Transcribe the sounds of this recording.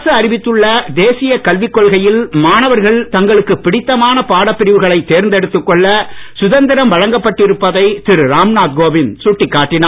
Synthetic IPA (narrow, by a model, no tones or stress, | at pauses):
sɐɐɾɪʋɪt̪ːɯɭːɐd̪eːsɪjɐkɐlʋɪkːɔɭɣɐjɪlmaːnɐʋɐɾɣɐɭt̪ɐŋɡɐɭɯkːɯpɪɽɪt̪ːɐmaːnɐpaːɽɐpːɪɾɪʋɯɣɐɭɐɪt̪ːeːɾnd̪ɛɽɯt̪ːɯkːɔɭːɐsʊðɐnd̪ɪɾɐmʋɐɻɐŋɡɐpːɐʈːɪɾɯpːɐðɐɪt̪ɪɾɾaːmnaːt̪̚ɡoːbɪnsʊʈːɪkːaːʈːɪnaː